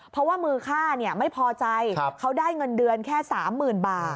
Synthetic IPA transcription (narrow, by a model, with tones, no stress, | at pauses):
pʰɾɔ˦˥waː˥˩mɯː˧kʰaː˥˩ni˥˩ɐma˥˩jpʰɔː˧t͡ɕa˧jʰkʰa˦˥wdaː˥˩jŋɤ˧ndɯ˧ənkʰɛː˥˩saː˩˦mːɯː˨˩nbaː˨˩t̪